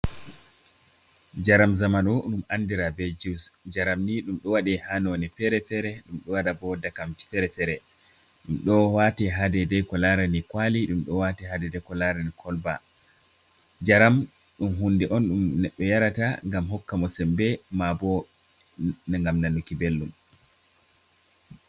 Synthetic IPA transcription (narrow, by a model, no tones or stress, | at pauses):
d͡ʒaɾamzamanɔɗumandiɾabɛd͡ʒiwsd͡ʒaɾamniɗumɗɔwaɗɛhanonifɛɾɛfɛɾɛɗumɗɔwaɗabɔdakamd͡ʒi̥fɛɾɛfɛɾɛ | ɗumɗɔwatɛɦadɛdɛkɔlaɾanikwaliɗumɗɔwatɛhadɛdɛkɔlaɾanikʰɔlba̰ | d͡ʒaɾam | ɗumɦundɛʔɔnɗumnɛɗːɔjaɾataŋɡamɦɔkːamɔsɛmbɛmabɔ | ŋɡamnanukibelːum